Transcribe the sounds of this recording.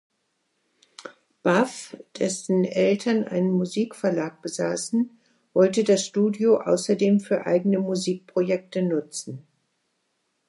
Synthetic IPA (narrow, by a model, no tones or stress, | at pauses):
b̥afd̥ɛsn̩ʔɛltʰɐnʔa̰ɪnənmuziːkfɛɐlaːk̚b̥əzaːsn̩ | vɔltədasʃtuːdjoʔa̰ʊsɐdeːmfyːɐʔa̰ɪɡənəmuziːk̚pʁ̥ojɛk̚tənʊt͡sn̩